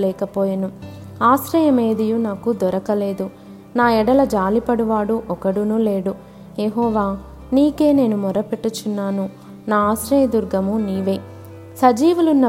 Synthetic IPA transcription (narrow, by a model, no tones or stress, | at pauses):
lɛːkɐpoːjɐnuaːʃɾɐjɐmeːd̪ijunaːkud̪ɔɾɐkɐle̞ːd̪u | naːɛɽɐlɐd͡ʒaːlipɐɽuʋaːɽuʔɔkɐɽunule̞ːɽu | jeɦɔːʋaː | niːke̞ːne̞ːnumɔɾɐpeʈːut͡ʃunːaːnu | naːaːsɾɐjɐd̪uɾɡɐmuniːʋe̞ː | sɐd͡ʒiːʋulunːɐ